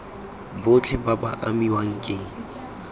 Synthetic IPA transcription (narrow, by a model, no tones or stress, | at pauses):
bot͡ɬʰɪbabaʔamiwaŋ̩kʼeŋ̩